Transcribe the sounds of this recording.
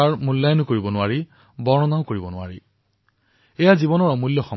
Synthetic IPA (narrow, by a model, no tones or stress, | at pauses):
aɹmulːajɔnɔkoɹibɔnʊwaɹi | bɔɹɔnaʊ̃koɹibɔnʊa̰ɹḭ | ɛjazibɔnɔɹɔmuljɔxɔ